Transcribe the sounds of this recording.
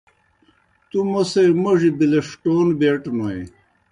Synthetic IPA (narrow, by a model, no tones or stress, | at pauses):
t̪umoseɾmoʐibileʂʈoːnbeʈnoe